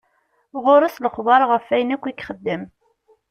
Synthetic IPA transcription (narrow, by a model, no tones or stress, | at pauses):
ʁʊɾˤəsləχðˤɑɾˤʁəfːæjənækʷːikχəd̪ːəm